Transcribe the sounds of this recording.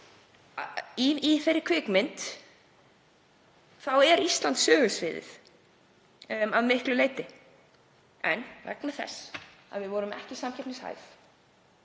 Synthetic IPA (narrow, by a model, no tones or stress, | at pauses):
iiθeɾːɪ̥ɾkʰvɪkmɪnt̪ | θawɛɾist̪lant̪sœːɣʏsvɪːðɪ̰θ | aðmɪhklʏleːjt̪ɪ | ɛ̰nvɛ̰knaθɛ̰sa̰ðvɪðvɔɾʏmɛ̰hcɪsamcʰɛpnɪsha̰jf